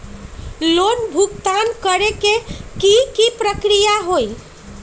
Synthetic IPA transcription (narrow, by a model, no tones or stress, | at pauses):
lonbʱukt̪ankəɾekekikipɾəkɾijaɦoi